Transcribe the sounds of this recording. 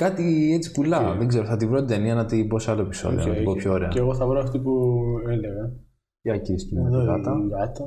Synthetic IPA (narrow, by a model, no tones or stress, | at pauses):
kɐt̪iet͡si̥pulɐðeɡze̞ɾoθɐt̪ivɾo̞t̪it̪eniɐnɐt̪ibo̞sɐloepi̥so̞̰ðio̰nnɐt̪ibopʰçoːɾe̞ɐ̰eɣoθɐvɾoɐft̪ipueleɣɐ | iɐcist̪umeðɣɐt̪ɐɐt̪ɐ